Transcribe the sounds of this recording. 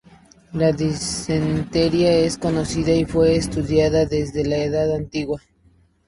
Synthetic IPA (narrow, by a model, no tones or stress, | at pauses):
laðisent̪eɾjae̞sko̞no̞siðaifwe̞ːst̪uðjaðaðe̞zðe̞laeðaðant̪iɣwa